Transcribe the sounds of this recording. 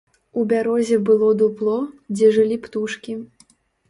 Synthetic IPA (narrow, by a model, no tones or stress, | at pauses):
ubʲaɾɔzʲɛbɨlˠɔd̪uplˠɔd͡zʲɛʐɨlʲipt̪uʂkʲi